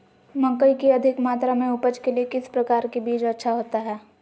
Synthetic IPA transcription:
mɐ̃ŋkəikiɐd̪ʱɪkmaːt̪ɾamẽʊpət͡ʃkeliekɪspɾɐkaːɾkebiːt͡ʃɐtːʃʰaɦoːt̪aɦɛː

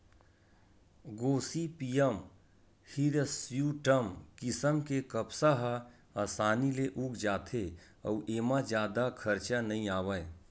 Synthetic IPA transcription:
ɡoːsipijəm | hiɾsjuʈəmkɪsəmkekəpsaɦa | asaːnileʔuːkʰd͡ʒaːt̪ʰe | ə̰ːʔeːmãd͡ʒjaːd̪akʰɐɾt͡ʃanɐɦĩaːʋə

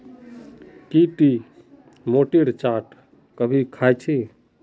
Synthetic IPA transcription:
kiʈi | moʈiɾt͡ʃaːʈ | kəbʱikʰajt͡ʃʰe

